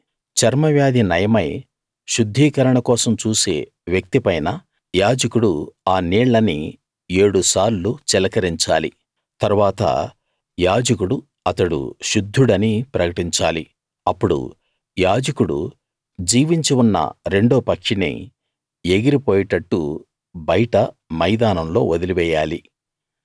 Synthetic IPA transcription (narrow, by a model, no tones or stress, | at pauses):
t͡ʃɐɾmɐʋjaːd̪ʱinɐjɐmɐj | ʃud̪ʱːiːkɐɾɐɳɐkɔːsɐmt͡ʃuːse̞ː | ʋjɐk̚t̪ipɐjnɐ | jaːd͡ʒɐkuɽuaːnɛːɭːɐni | e̞ːɽusaːɾlut͡ʃɛlɐkɐɾiɲt͡ʃaːlḭ | t̪ɐɾuʋaːt̪ɐ̰ | jaːd͡ʒɐk̬uɽu | ɐt̪ɐɽṵʃud̪ʱːuɽɐnipɾɐkɐʈiɲt͡ʃaːli | ɐpːuɽṵ | jaːd͡ʒɐkuɽṵ | d͡ʒiːʋiɲt͡ʃiwunːɐ̰ɾe̞ɳɖoːpɐkʂinḭ | eɡiɾipoːjiʈɐʈːu | bɐjiʈɐ | mɐjd̪aːnɐmlo̞̰ːod̪iliʋɛːjaːli